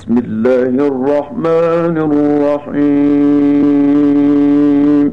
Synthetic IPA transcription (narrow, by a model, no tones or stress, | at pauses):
smɪlːaːhʔrˤːɑħmaːnrˤrˤːɑħi | m